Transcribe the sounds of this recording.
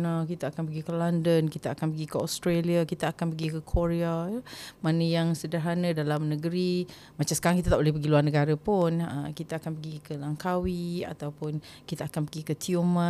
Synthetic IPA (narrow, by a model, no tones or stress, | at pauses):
nakit̪aakanpəɡikəlandənkit̪aakanpəɡikəost̪ɾeliakit̪aakanpəɡikəkʰoɾeajmanəjaŋsədərɦanədalamnəɡəɾi | mat͡ʃamsə̥kaɾaŋkit̪at̪aʔbolɛhpəɡiluarnəɡaɾapʊnə̰kit̪aakanpəɡikəlaŋkawia̰t̪awpʊn | kit̪aakanpəɡikət̪ʰiumã